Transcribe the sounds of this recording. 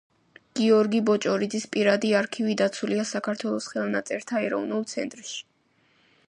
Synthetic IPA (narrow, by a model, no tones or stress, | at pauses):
ɡ̥iɔɾɡibɔt͡ʃʼɔɾid̪zispʼiɾad̪iaɾkʰivid̪at̪sʰuliasakʰaɾt̪ʰwɛlˠɔsχɛlˠnat̪sʼɛɾt̪ʰaɛɾɔvnulˠt̪sʰɛ̰nt̪ʼɾʃi̥